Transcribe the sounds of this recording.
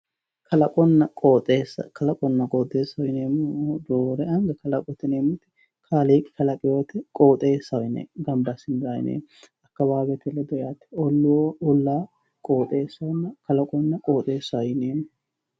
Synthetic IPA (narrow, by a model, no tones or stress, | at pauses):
kʰɐlɐkʼɔnːɐkʼoːt̪ʼeːsɐ̰kʰɐlɐkʼɔnːɐkʼoːt̪ʼːeːsːɐwjɪneːmʊd̪oːɾɛɐŋɡɐkɐlɐkʼɔt̪ːɪneːmʊt̪ɪ̥ | kʰaːleːkʼːɪ̥kɐlɐkʼɪjoːt̪ɛkʼo̞ːt̪ʼeːsːɐwɪnɛ̰ːɡɐmbɐsɪnzɐjɪ̰nḛː | ɐkːɐbaːbɛt̪ɛlɛd̪ɔjaːt̪ːɛ̥ɔlːwoʊlːaː | kʼoːt̪ʼe̞ːsːɐwnːɐkɐlɐkʼɔnːɐkʼo̞ːt̪ʼe̞ːsːɐwjɪneːmːʊ